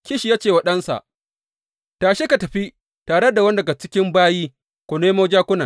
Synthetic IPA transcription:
kʲɪ˦ʃi˨jaː˦t͡ʃeː˨wɐ˦ɗɐ˦nsa̰˨ʔ | taː˨ʃe˦ka˨tɐ˨ɸi˦ | taː˨ɽe˦da˨wɐ˦n˦dɐ˨ɡa˨t͡ʃɪ˦kʲɪ˦mbaː˦jiː˦ | kʷo˨neː˦moː˦d͡ʒaː˦kʷʊ˦na˨

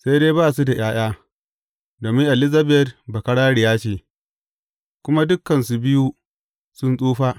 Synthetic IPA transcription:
sa˦jdeː˦baː˦˨su˦da˨j̰aː˦j̰aː˦ | doː˨mɪ˦ŋʔa˨lɪ˦zɐ˦bɛ˦tbɐ˨kɐ˦ɽaː˦ɽɪ˨jaː˦t͡ʃeː˦˨ | kʷʊ˦ma˦dʊ˦kːɐ˨nsu˨bɪ˦ju˦ | sʊ˦nsʼuː˦ɸaː˦

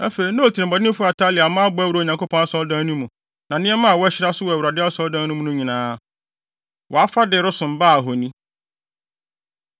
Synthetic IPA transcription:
a˦fe˨i˨˦nã˦o˨tʰi˨nɪ̃˨bɔ˨dɪ˦ɪ̃˦fʊ˦a˨tʰa˦lɪ˨a˨mã˦bʊ˦æ˦wɾa˨ɲã˨ŋkʰo˦pʰɔ̃˦na˦sɔ˦ldãː˦nũ˦mũ˨ | nã˨nɪ̃˦ɛ˦mã˦a˨wɔ˦ɛ˦ɕɪ˦ɾa˦sʊ˦wɔ˨æ˨wɾa˨dɪ˦a˦sɔ˦ldã˦nũ˦mũ˦nʊ̃˦ɲĩ˨nãː˦ | wɔ˨a˦fa˦dɪ˨ɾʊ˦sʊ̃˨m˨ba˦˨ɦɔ˨nĩ˦

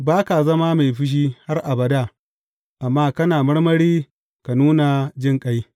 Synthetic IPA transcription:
baː˦ka˨zɐ˦ma˦ma˨jɸɪ˦ʃ̬iː˦ha˦rʔa˨bɐ˨da˦˨ | ʔa˨mːaː˦kɐ˦naː˨mɐ˦ɽmɐ˦ɽiː˦ | ka˨nuː˦na˨d͡ʒɪ˦ŋkʼa˦j

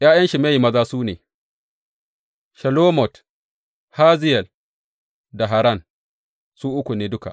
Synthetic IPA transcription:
jaː˦jɐ˦nʃi˨ma˦ji˨mɐ˦zaː˦suː˦neː˨ | ʃɐ˨loː˦mɔ˨t | haː˦zɪ˦jɛ˨l | da˨ɦa˨ɾa˦˨n | suː˦ʔʊ˦kʷu˨neː˦dʊ˦ka̰˨ʔ

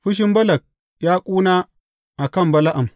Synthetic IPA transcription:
ɸʊ˦ʃ̬i˦mbɐ˦lɐ˨k̚ | ja˦kʷʼuː˦na˦ | ʔa˨kɐ˦˨mbɐ˨la˦ʔa˨m

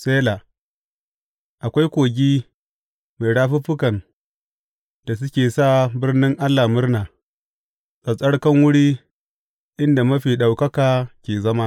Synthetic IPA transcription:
sʼeː˦la˨ | ʔa˨kʷa˦jkʷoː˨ɡʲiː˦ | ma˨jɽaː˦ɸi˦ɸʊ˦kɐ˨n | d̥a˨s̬ʊ˦kʲeː˨saː˦bɪ˦rnɪ˦ŋʔa˦lːa˨mʊ˦rnaː˨ | sʼɐ˨sʼɐ˦ɽkɐ˦ŋwʊ˦ɽiː˦ | ʔɪ˦nda˨mɐ˦ɸiː˨ɗa˨wkɐ˦kaː˨kʲeː˨zɐ˦ma˦

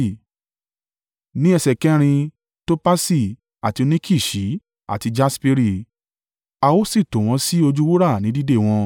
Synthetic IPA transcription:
nĩ˦ɛ˧sɛ˨kɛ˦ɾ̃ĩ˧ | to˦pa˦si˦˨ | a˨ti˧nĩ˦kʰi˦˨ʃi˨˦ | a̰˨ti˧d͡ʒa˦spi˧ɾi˦˨ | a˧wo˦si˦˨to˨w̃ɔ̃˧si˦o˧d͡ʒu˦wu˦ɾa˦˨nĩ˨˦di˦de˦˨w̃ɔ̃˧

